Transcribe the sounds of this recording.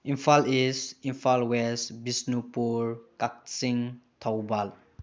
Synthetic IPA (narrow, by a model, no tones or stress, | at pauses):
ĩnfalisĩnfalwɛsbisnupuɹkak̚sĩŋt̪ʰawbal